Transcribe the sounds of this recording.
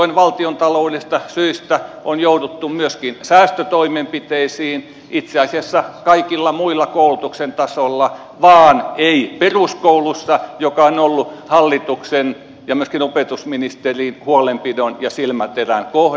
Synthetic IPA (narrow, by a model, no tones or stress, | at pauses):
oinʋɑlt̪iont̪ɑlouliist̪ɑsyist̪æ | onjoudut̪ːumyøskinsæːst̪øt̪oimempit̪eisiːn | it̪seɑsiɑsːɑkɑikilːɑmuilːɑkoulut̪uksent̪ɑsolːɑ | ʋɑːneiperuskoulusːɑjokɑonolːuhɑlːit̪uksen | jɑmyøskinopet̪usminist̪eriːnhuolempidonjɑsilmæt̪erænkoh